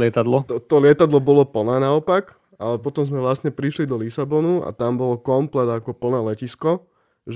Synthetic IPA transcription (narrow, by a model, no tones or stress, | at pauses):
lɪɛt̪ad̪lɔt̪ɔt̪ɔlɪɛt̪ad̪lɔbɔlɔpl̩nɛːnaɔpak | alɛpɔt̪ɔmzmɛʋlast̪ɲɛpɾiʃlid̪ɔlisabɔnua̰t̪ambɔlɔkɔmplɛd̪akɔpl̩nɛːlɛciskɔ | ʒ